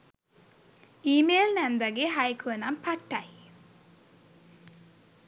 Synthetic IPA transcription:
iːmeːlnɛnd̪aɡeɦajkʰuʋənampʰaʈːaj

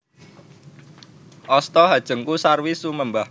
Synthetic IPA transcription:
ʔɔst̪ɔɦad̥ʒ̥ə̤ŋkusarwisuməmbah

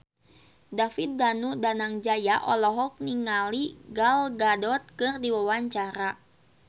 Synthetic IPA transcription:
dafit̪̚danudanaŋd͡ʒajaʔɔlɔɦɔk̚niŋaliɡalɡadɔt̪̚kɨrdiwawaɲt͡ʃaɾa

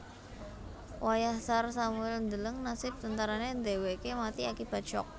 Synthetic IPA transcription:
wʔajahsarsamuɛlnd̪ələŋnasɪp̚t̪ənt̪aɾanend̪e̤wekemat̪iakib̥a̤̥t͡ʃɔ̰k̚

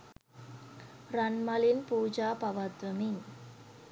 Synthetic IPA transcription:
rɐnmɐlinpuːd͡ʒaːpɐʋat̪ʋɐmiɲ

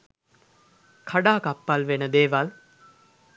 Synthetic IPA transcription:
kʰaɖaːkapːalʋenəd̪eːʋal

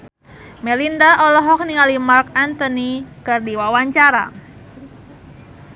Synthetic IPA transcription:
mɛlindaʔɔlɔɦɔk̚niŋalimark̚ant̪ɔnikɨrdiwawaɲt͡ʃaɾa̰

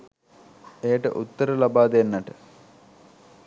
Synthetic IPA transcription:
ejəʈə̰ʔut̪ːəɾəlabaːd̪enːɐʈə

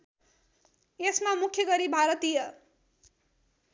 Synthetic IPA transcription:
jesmamukʰjʌɡʌɾibʱaɾʌt̪ijʌ

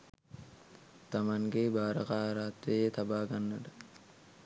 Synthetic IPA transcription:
t̪amaŋɡebaːɾɐkaɾaːt̪ʋejət̪abaːɡanːəʈə

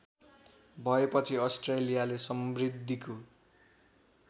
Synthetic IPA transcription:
bʱʌepʌt͡sʰiʌsʈrelijalesʌmrid̪ʱːiko

